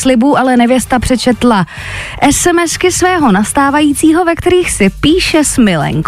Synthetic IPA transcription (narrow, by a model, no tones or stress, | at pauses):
slɪbuːʔalɛnɛvjɛst̪apr̝̥ɛt͡ʃɛt̪la | ʔɛsɛmɛskɪsvɛːɦo̞nast̪aːvajiːt͡siːɦo̞vɛkt̪ɛɾiːxsɪpiːʃɛsmɪlɛ̰ŋk